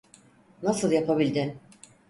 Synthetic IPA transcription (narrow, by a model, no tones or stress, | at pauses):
nasɯlˠjapʰabilʲd̪ɪ